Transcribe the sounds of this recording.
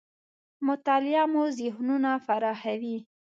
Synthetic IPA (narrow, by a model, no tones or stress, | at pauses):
mʊt̪ɑlɪjɑmuzɪhnunafaɾɑxawi